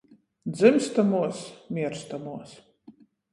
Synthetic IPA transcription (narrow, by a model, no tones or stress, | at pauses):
d̪zɨmst̪amuɔsmʲiɛɾst̪amuɔs